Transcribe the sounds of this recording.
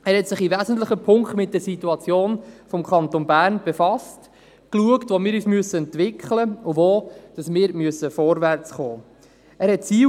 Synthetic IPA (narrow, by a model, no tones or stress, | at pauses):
æːɾhɛtsɪχivæːzən̩tləχəpʰʊŋktmɪt̚d̥əɾsituɑt͡sjoːnfɔmkχɑntonbæːɾnb̥efɑst | kluəktʋomɪːɾyːsmyəsəɛntʋɪkχləʊvoːd̥ɑsmɪːɾmyəsːəfɔɾvært͡sχoː | æːɾhɛt̚t͡siː